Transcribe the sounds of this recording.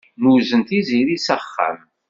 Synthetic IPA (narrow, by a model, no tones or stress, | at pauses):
nuzənt̪iziɾisəχːa̰m